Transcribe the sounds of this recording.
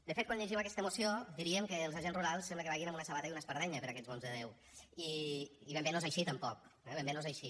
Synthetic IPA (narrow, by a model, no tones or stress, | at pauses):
d̪əfet̪kwanʎeʒimakɛst̪əmusiod̪iɾiəmkəːlˠzaʒenzruɾalˠsːɛmbləkəβaɣinamunəsəβat̪əjiunəspəɾðɛɲəpəɾakɛzβonzðəðew | iːβɛmbenozajʃit̪əmpɔk̚ɛβɛmbenozajʃi